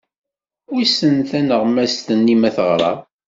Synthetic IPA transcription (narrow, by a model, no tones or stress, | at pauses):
isənθænəʁmæst̪ənːimæθəʁɾˤɑ̰